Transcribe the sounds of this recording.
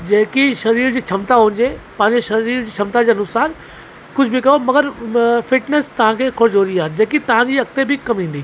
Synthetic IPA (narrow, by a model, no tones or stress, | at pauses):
d͡ʑeːkiʃɐɾiːɾd͡ʑiːt͡ɕʰɐmt̪aɦũːnd͡ʑepɐ̃ɦɪ̃ɲd͡ʑeʃɐɾiːɾd͡ʑiːt͡ɕʰɐmt̪ad͡ʑeːɐnʊsaːn | kʊd͡ʑʰʱbɪkɐjomɐɡəɾfɪʈnest̪ɐʋ̤ãkʰeːkʰʊɾd͡ʑoːɾiaːɪnd͡ʑeːkit̪ɐʋ̤ãd͡ʑiːʋɐk̚t̪ebɪkɐmɦĩːn̆d̪iː